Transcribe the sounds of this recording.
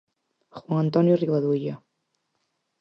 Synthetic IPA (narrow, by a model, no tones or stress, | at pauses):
xwaŋant̪ɔnjuriβaðuja